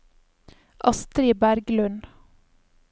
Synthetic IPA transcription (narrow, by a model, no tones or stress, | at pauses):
ʔɑst̪ɾiːbæɾɡlʉn